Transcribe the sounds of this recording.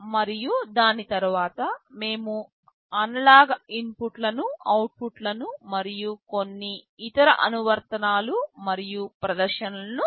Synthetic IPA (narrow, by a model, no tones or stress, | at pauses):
mɐɾijud̪aːnit̪ɐɾuʋaːt̪ɐme̞ːmu | ɐnɐlaːɡinpuʈlɐnuɐwʈ̚puʈlɐnumɐɾijuko̞nːiː | t̪ɐɾɐʔɐnuʋɐɾt̪ɐnaːlumɐɾijupɾɐd̪ɐɾʃɐnɐlɐnu